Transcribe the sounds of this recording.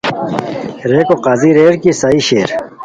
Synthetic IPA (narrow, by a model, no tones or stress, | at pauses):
ɾeːkoqaːziɾeːɾkisaːiɕeːɾ